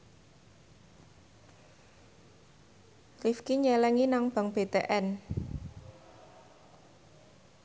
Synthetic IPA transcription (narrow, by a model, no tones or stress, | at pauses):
klifkiɲɛlɛŋinaŋb̥a̤ŋb̥et̪ḛʔɛn